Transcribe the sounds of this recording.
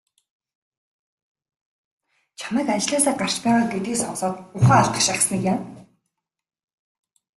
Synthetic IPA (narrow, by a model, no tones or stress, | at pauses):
t͡ɕʰamiːkat͡ɕɮaːsaːɢar̥t͡ɕpaːʁaːɡet̪iːksɔnsɔːt̪ʊχaːaɬt̪ə̆χʃaχsnikjam